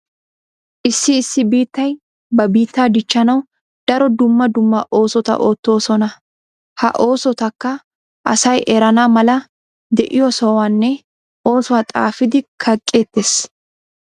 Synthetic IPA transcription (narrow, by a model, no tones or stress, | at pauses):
ʔɪsːɪːsːɪbiːt̪ːɐj | bɐbiːt̪ːaːd̪ɪt͡ʃːɐnɐw | d̪̥ɐɾɔd̪ʊmːɐd̪ʊmːɐʔo̞ːsɔt̪ɐ̰ʔo̞ːt̪ːo̞ːsɔnɐ | hɐ̰ʔo̞ːsɔt̪ɐkːɐ | ʔɐsɐjʔɛɾɐnamɐlɐ | d̪ɛʔɪjɔsɔwaːnːɛ | ʔo̞ːsʊwaːt̪ʼa̰ːfɪd̪ɪkʰɐkʼːe̞ːt̪ːeːs